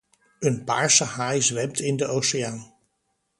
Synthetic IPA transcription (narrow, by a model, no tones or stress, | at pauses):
ənpa̰ːɹsəɦajzʋɛmtɪndəʔowsɪaːn